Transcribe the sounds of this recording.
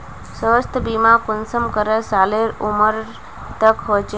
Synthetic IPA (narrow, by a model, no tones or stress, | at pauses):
səʋəst̪ʰəbimãkʊnsəmkəɾesaleɾuməɾ | t̪əkɦojt͡ʃʰe